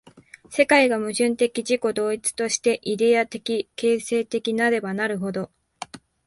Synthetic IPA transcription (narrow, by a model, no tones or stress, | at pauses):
se̞kaiɡamɯ̟ʑɨ̃nt̪e̞kʲiʑiko̞d̪o̞ːit͡sɨ̥t̪o̞ɕi̥t̪e̞ʔid̪e̞at̪e̞kʲike̞ːse̞ːt̪e̞kʲinaɾe̞banaɾɯ̟ɦo̞d̪o̞